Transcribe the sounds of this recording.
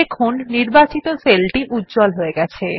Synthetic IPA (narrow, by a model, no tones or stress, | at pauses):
ekʰonːiɾbat͡ɕit̪oselʈiʔutːd͡ʑɔlɦoeɡɛt͡ɕʰe